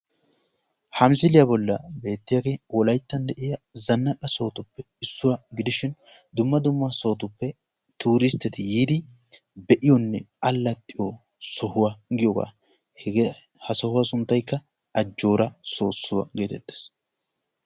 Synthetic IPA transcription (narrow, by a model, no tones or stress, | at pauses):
hɐmsɪlɪjɐbɔlːɐbe̞ːt̪ːɪjɐɡewɔlɐjt̪ːɐnd̪ɛʔɪjɐzɐnːɐkʼɐso̞ːt̪ʊpːɛ | ɪsːʊwaɡɪd̪ɪʃɪn | d̪ʊmːɐd̪ʊmːɐso̞ːt̪ʊpːɛ | t̪uːɾɪst̪ːɛt̪ɪjiːd̪ɪ | bɛʔɪjɔnːɛ | ɐlːɐt̪ʼːɪjo | sɔhʊwaɡɪjɔɡa̰ː | hɐsɔhʊwasʊnt̪ːɐjkːɐ | ɐd͡ʒːo̞ːɾɐso̞ːsːʊwɐ̰ɡe̞ːt̪ɛt̪ʼːeːs